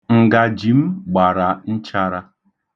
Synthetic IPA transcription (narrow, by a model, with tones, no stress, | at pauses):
ŋ̩˨ɡa˨d͡ʒi˨m̩˦ɡ͡ba˨ɾa˨n̩˦t͡ʃa˦ɾa˦